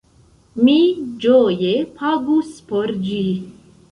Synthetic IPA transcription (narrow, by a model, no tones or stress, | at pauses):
mid͡ʒojepʰaɡuspoɾd͡ʒi